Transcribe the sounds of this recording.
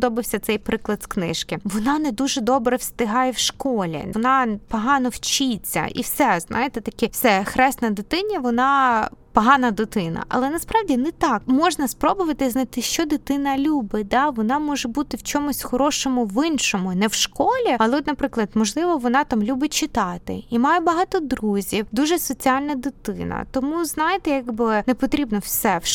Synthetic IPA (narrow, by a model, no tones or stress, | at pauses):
d̪ɔbɪwsʲɐt̪sɛjpɾɪklˠɐd̪sknɪʃkɪʋɔnɑnɛd̪uʒɛd̪ɔbɾɛwst̪ɪɦɑjɛwʃkɔlʲḭɔnɑpɔɦɑnɔwt͡ʃit͡sʲːɐ̰ḭwsɛznʔɑ̰jet̪ɛt̪ɐkʲifsɛxɾɛst̪nɐd̪ɪt̪ɪnʲiʋɔnɑpɔɦɑnɐd̪ɪt̪ɪnɐ̰ʔɐ̰lˠɛnɐspɾɑʋdʲinɛt̪ɑkmɔʒnɐspɾɔbʊʋɐt̪ɪznɐt̪ɪʃt͡ʃɔd̪ɪt̪ɪnɐlʲubɪd̪ɑʋɔnɑmɔʒɛbut̪ɪwt͡ʃɔmʊsʲxɔɾɔʃɔmʊʋɪnʃɔmʊnɛwʃkɔlʲiɐlˠɛɔt̪nɐpɾɪklˠɐd̪mɔʒlˠɪʋɔʋɔnɑt̪amlʲubɪt͡ʃɪt̪ɑt̪ɪ̰imɑjɛbɐɦɑt̪ɔd̪ɾuzʲiwd̪uʒɛsɔt͡sʲialʲnɐd̪ɪt̪ɪ̰nɐ̰t̪ɔmuznɑjɪt̪ɛjaɡbɪnɛpɔt̪ɾʲibnɔwsɛwʃ